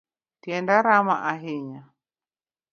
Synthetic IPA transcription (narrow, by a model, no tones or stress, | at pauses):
tiɛndaɾama̰ʔaɦiɲa